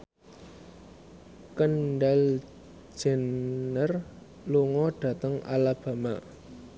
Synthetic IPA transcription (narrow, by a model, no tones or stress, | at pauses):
kənɖal̥ | d͡ʒ̥ɛ̤nːər | luŋɔɖ̥ä̤t̪əŋa̰lab̥a̤ma